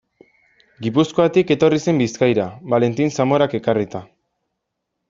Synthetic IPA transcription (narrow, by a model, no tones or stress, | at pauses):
ɡipusko̞at̪ike̞t̪o̞rise̞mbiskajɾaβale̞nt̪insamo̞ɾake̞karit̪a